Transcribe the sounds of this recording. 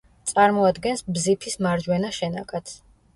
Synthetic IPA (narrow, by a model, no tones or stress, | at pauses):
t̪sʼaɾmɔad̪ɡɛnsbzipʰismaɾd͡ʒwɛnaʃɛna̰kʼat̪sʰ